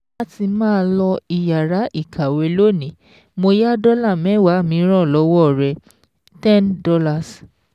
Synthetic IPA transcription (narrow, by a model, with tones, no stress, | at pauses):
la˦ti˧mãː˦lɔ˧i˧˨ja˨ɾa˨˦ʔi˦˨kʰa˨we˨˧˦lo˦˨nĩ˨˦ | mo˧ja˦dɔ˦la˦˨mɛ̃˨˦˨wa˨˦˨mĩ˨˧˦ɾ̃ɔ̃˦˨lɔ˨˦wɔ˦˨ɾɛ˧ | tɛ̃˦ndɔ˧la˦˨s